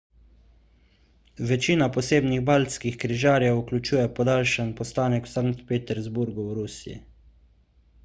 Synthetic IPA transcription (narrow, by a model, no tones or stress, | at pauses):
ʋɛt͡ʃiːnapɔseːbniɣbalskixkɾiʒaːɾjɛuklʲut͡ʃuːjɛpɔd̪alʃənpɔst̪aːnɛkw̥saŋkt̪peːt̪ɛɾzbuɾɡuwɾusiḭ